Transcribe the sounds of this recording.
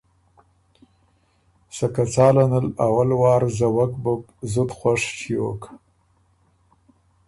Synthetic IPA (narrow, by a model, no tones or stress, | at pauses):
sakat͡sɑːlanəlawalwɑːɾzawakbʊk | zʊt̪xwaʂt͡ʃʰijo̰ka